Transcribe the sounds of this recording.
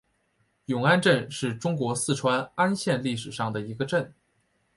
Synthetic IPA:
jʊ˨˩ŋa˥nʈ͡ʂə˥˧nʂɻ̩˥˩ʈ͡ʂʊ˥ŋkwɔ˧˥sɹ̩˥˩ʈ͡ʂʰwa˥na˥nɕjɛ˥˧nli˥˩ʂɻ̩˨˩ʂɑ˥˩ŋd̪ə˩i˧˥ɡə˧ʈ͡ʂə˥˩n

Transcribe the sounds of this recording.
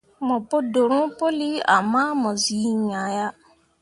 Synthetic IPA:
mɔ̃˨pʊ˦dʊ˨ɾʊ̃˦po˦li˦a̰˨mã˦mɔ̃˨zi˨˦ɲa˨ja˦

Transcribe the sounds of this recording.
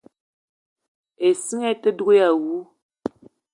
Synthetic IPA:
e˨si˦ŋɛ˦tə˦de˦ja˨wu˦

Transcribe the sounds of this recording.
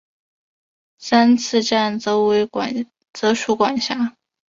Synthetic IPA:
sa˥nt͡sʰɹ̩˥˧ʈ͡ʂa˥˩nt͡so˥ʊwe˧˥ɪ | t͡sɤ˧˥ʂu˥˩kwa˨˩nɕja˥

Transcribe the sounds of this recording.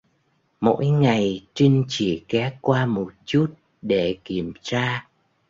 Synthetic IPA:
mo̰˧˥jŋa˨˩jt͡ɕi˧ŋ̟t͡ɕi˧˩kɛ˨˦kwaː˧mo˨˩t̚t͡ɕu˦˥t̚ | ɗe˧˩ki˧˩əmt͡ɕaː˧

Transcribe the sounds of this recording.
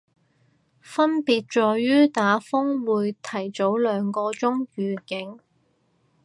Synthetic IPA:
fɐ˥npiː˨˧t̚t͡ʃɔː˧ɥyː˥t̪aː˨˥fʊ˥ŋwuː˨˧jt̪ʰɐ˨˩jt͡so˨˥wlœː˨˧ŋkɔː˧t͡sʊ˥ŋjyː˨kɪ˨˥ŋ

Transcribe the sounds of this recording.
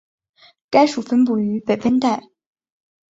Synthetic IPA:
ka˥ɪʂu˨˩fə˥np̬u˥˩y˧˥pe˨˩ɪfə˥nt̪a˥˩ɪ

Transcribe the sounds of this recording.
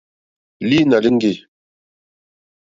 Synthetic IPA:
li˦na˨li˦ŋɡi˦˨

